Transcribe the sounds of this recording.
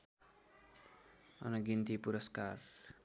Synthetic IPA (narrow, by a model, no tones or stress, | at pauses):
ʌ̰nʌɡint̪ipuɾʌskar